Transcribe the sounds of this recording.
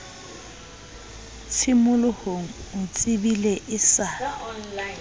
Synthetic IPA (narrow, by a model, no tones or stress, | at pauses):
t͡sʰɪmʊlʊhoŋ̩ʊt͡sʼɪbileʔɪsa